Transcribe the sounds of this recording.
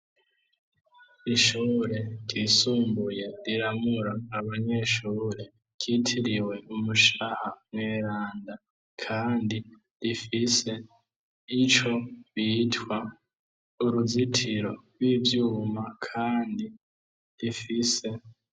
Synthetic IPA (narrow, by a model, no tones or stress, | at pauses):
iʃuːɾe̞ɾjisuːmbuje̞ɾiɾamuɾaːβaɲe̞ʃuːɾe̞ | ɟitʰiɾiwe̞umuʃahamweːɾaːnda | kʰaːndi | ɾifise̞ | it͡ʃo̞βiːtwa | uɾuzitʰiɾo̞ɾwivjuːmakʰaːndi | ɾifise̞